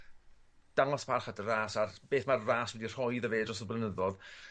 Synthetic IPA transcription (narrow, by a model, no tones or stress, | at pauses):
d̥aŋɔspʰarχadəraːsarb̥eːθmarraːswɛdir̥hɔɨðəveːdrɔs̬ɔblˠənəðɔð